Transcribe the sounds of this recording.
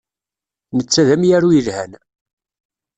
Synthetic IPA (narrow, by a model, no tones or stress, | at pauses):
nət͡sːæðæmjæɾujəlhæn